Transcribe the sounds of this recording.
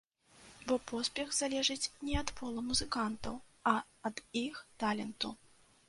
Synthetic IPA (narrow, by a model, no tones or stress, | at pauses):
bɔpʰɔspʲɛɣzalʲɛʐɨt͡sʲnʲɛɐt̪pʰɔlˠɐmuzɨkant̪ɐ̰wɐ | ɐd̪ixt̪alʲɛnt̪u